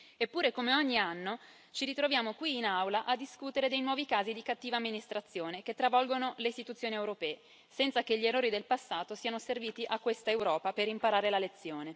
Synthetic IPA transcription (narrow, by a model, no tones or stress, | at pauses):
epːuːɾekomeoɲːianːo | t͡ʃiɾit̪ɾovjaːmokwiːnawlaʔad̪ːiskut̪eɾed̪ejnwɔːvikaːzid̪ikat̪ːiːvaːmːinist̪ɾat̪sːjoːneket̪ːɾavɔlɡonoleist̪it̪ut̪sːjoːniewɾopɛːe | sɛnt̪sakeʎːierːoːɾid̪elpasːaːt̪osiːanoserviːt̪iʔakːwest̪aewɾɔːpaperimpaɾaːɾelalet̪sːjoːne